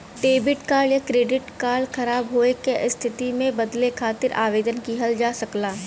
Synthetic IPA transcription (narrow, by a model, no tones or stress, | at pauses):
ʈeːbɪʈkaːɽjakɾeːɖɪʈkaːlxʰɐɾaːbɦoːekeɪst̪ʰɪt̪imẽbɐd̪lekʰaːt̪ɪɾa̰ːʋeːd̪ənkiɦɐld͡ʒaːsɐklaː